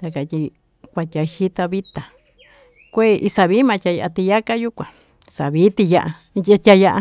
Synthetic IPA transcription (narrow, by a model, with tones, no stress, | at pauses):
t̪a˧ka˨˧t̪ʲi˧ | kʷa˧tʲa˨˧ʃi˦t̪a˧βi˦t̪a˨ | kʷe˦˨˧ʔi˧sa˧βiː˦mã˧˨tʲa˧ja˧ʔa˧t̪i˧ja˦ka˦ju˦kʷã˨ | sa˨βi˨˦t̪i˧ja˦˧ʔa˧ | a˧tʲa˧ja˦ʔa˧